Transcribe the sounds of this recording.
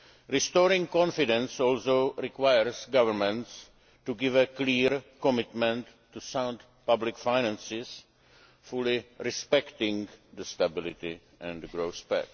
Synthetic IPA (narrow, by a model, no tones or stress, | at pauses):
ɾistɔːɾɪ̃ŋkɔ̃nfɪdɛ̃nsɔːlsoʊɾɪkwajəɹsɡaʋəɾmɛ̃nts | tuɡɪʋəkliːɾkɔmɪt̪mɛ̃ntːusãʊ̃nd̪ | pablɪkfajnɛ̃nsɪs | fulɪɾɪspɛktɪ̃ŋd̪əstabɪlɪ̰t̪i | ʔɛ̃ndɡɾoʊspɛ̰t